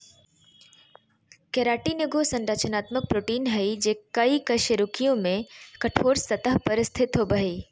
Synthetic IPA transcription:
keɾaːʈinɪɡosɐ̃nɾət͡ʃənaːt̪mək̚pɾoːʈiːnɦɐid͡ʒeːkɐikɐʃəɾʊkijõmẽkɐʈʰoːɾsɐt̪əɦpɐɾst̪ʰɪt̪ɦobɐɦeː

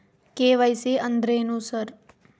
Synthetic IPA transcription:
keʋajseənd̪ɾeːnũsəɾ

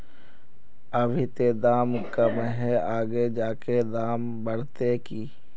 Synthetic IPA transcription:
əbʱit̪ed̪aːmkəmɦɛaːɡed͡ʒaːked̪aːm | bəɽ̤t̪ekiː

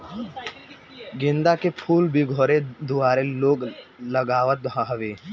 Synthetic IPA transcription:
ɡɪ̃nd̪akepʰuːlbʱiɡʱoːɾed̪ʊaːɾeloːɡləɡaːʋət̪̚bʱãɦɐʋeː

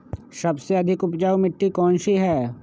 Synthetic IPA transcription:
sɐbseɐd̪ʱɪkʊpd͡ʒaːumɪʈːikɔːnʃiɦɛː

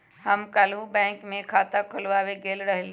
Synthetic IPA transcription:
ɦəmkaːlɦubɛ̃ːŋkmẽkʰaːt̪akʰʊlʋaːweɡeːlɾəɦl

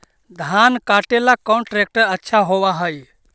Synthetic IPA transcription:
d̪ʱankaʈelakɔnʈɾek̚ʈəɾətːʃʰaɦoβaɦəj

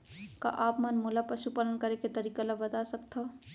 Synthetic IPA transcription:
ka̰ʔaːpmənmolapɐʃupaːlənkɐɾeket̪ɐɾiːkalabɐt̪asɐkt̪ʰa

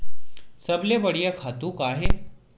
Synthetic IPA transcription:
səbleʋəɽijakʰat̪ukaːɦe

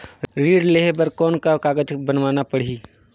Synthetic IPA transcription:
ɾiːɖleɦbəɾkɔːnkakaːɡəd͡ʒbənʋaːnapəɽ̤iː

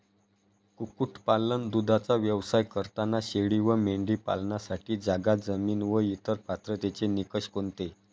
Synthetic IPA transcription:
kukuʈʰpalənd̪ud̪ʱat͡saʋjəʋsajkəɾt̪anːaɕeɭiʋəmeɳɖiːpa̰lɳjasaʈiːd͡zaɡad͡zəmiːnʋəjit̪əɾpat̪ɾət̪et͡senikəɕkont̪e

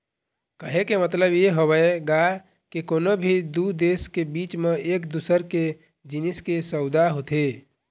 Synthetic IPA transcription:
kəɦekemət̪ləbjeɦobəeɡa | kikonobʱid̪ud̪eskebit͡ʃmeekd̪usəɾke | d͡ʒiniskesəʊd̪aɦot̪e

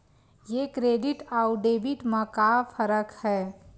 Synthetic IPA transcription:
jekɾeːɖɪʈaːuɖeːbɪʈmãkafʰəɾəkhɛː

